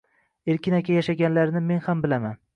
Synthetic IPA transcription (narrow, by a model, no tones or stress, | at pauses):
eɾkʲɪnakʲʰajaʃaɡʲanlaɾnɪme̞nhambɪlaman